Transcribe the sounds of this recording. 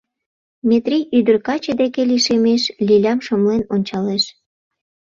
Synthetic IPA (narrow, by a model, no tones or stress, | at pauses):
met̪rijyd̪ərkɑt͡ɕed̪ekeliʃemeʃlʲilʲɑmʃəmlenonʲt͡ɕɑleʃ